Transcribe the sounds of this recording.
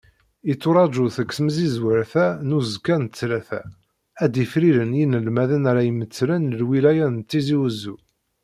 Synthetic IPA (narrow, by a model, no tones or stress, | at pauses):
it͡sːʊɾˤɑd͡ʒuθəkːsməzizwəɾθænuzkːænt̪t͡sːlæθæ̰ | æd̪ifɾiɾənjinəlmæðənaɾajəmət͡sːlənəlwilæjænt̪ːiziwəzu